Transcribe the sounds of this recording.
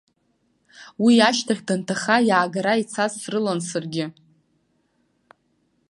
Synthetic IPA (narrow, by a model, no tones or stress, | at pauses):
wiaʃtʰaχʲdantʰaχajaːɡaɾait͡sʰazrɨlansɨrɡʲɪ